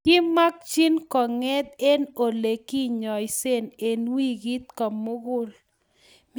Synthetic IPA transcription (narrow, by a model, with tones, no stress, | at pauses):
kɪ˦ma˦k̚t͡ʃi˦nkɔ˨ŋɛ˦d̪̚e˦no˨le˨ki˦ɲɔ˨jse˦˨ne˨nwi˦ɡi˦t̪̚kɔ˨mmːʊ˦ɡʊ˦l | m